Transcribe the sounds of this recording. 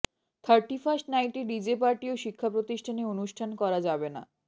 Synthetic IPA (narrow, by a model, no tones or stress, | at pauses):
t̪ʰaɾʈifasʈnajʈiɖid͡ʑepaɾʈioʃikʰːapɾot̪iʃʈʰaneonuʃʈʰankɔɾad͡ʑabena̰